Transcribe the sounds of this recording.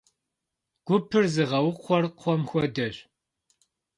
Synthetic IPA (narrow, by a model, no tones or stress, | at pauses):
ɡ̥ʷʊpʰɨrzɨʁɐwʊqʷʰɔrqʰʷɔmxʷɔdɐɕ